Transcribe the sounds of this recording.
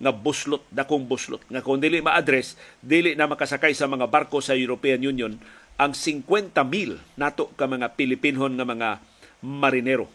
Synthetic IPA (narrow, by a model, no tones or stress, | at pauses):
ŋabʊslʊt̪̚d̪akoŋbʊslʊ̰t̪̚ŋakʊŋd̪iːlɪʔmaʔad̪ɾɛsd̪iːlɪʔnɐmɐkasakajsɐmɐŋabaɾkosajʊɾopɛanjunjonʔaŋsɪŋkwɛnt̪amilnaːt̪oʔkamɐŋapɪlɪpinɦonŋɐmɐŋa | maɾɪnɛɾo̰